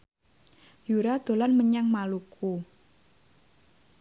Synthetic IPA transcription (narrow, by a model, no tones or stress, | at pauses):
juɾad̪̥o̤lanməɲaŋmalukʰu